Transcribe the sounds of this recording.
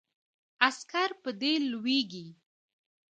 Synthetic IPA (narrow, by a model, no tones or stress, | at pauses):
askaɾpəd̪elweɡi